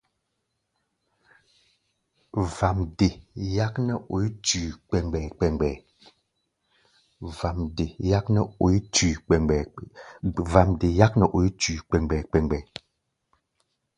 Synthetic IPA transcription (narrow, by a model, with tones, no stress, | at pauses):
va˨mde˨ja˦knɛ˦˨ʔo˨i˦tʉː˨k͡pɛ˨ŋɡ͡bɛ˨k͡pɛ˨ŋɡ͡bɛ˨ | va˨mde˨ja˦knɛ˦o˨i˦tʉ˨ɛ˨ɛ˨ | va˨mde˨ja˦k̚nɛ˨ʔo˨i˦tʉː˨k͡pɛ˨ŋɡ͡bɛ˨k͡pɛ˨ŋɡ͡bɛ˨